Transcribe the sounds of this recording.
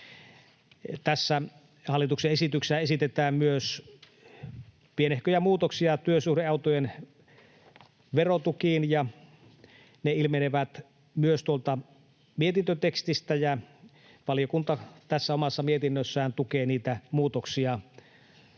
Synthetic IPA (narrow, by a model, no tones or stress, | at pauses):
t̪æsːæ | hɑlːˑit̪ukseesit̪ykseæesit̪et̪æːmmyøs | pienehkøjæmuːt̪oksiɑt̪yøsuhdeʔɑˑut̪ojen | ʋerot̪ukiːnjɑ | neilmeneʋæt̪ | myøst̪uolt̪ɑ | miet̪int̪øt̪ekst̪ist̪æjæ | ʋɑlijokunt̪ɑt̪æsːæomɑsːɑmiet̪inːøsːæːnt̪ukeːniːt̪æmuːt̪oksiɑ